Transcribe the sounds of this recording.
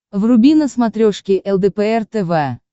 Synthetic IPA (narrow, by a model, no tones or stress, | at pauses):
vrʊbʲinəsmat̪ɾʲoʂkʲɪʔɛlˠd̪ɛpɛɛrt̪ɛvɛ